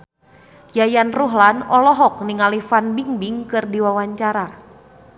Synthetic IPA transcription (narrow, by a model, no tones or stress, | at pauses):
jajanruɦlanɔlɔɦɔk̚niŋalifanbiŋbiŋkɨrdiwawaɲt͡ʃaɾa